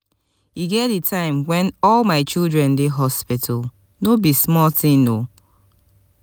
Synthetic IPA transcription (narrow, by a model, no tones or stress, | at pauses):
iɡɛitʰãɪ̃mwɛ̃nɔlmaɪt͡ʃilˠdɹɛ̃ndeɦɔspɪtʰal | nobismɔltɪ̃ŋno